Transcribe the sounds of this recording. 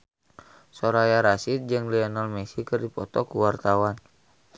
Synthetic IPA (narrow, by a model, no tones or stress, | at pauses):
sɔɾajaɾasit̪̚d͡ʒɨŋlɛɔnɔlmɛsikɨrdipɔt̪ɔkuwart̪awan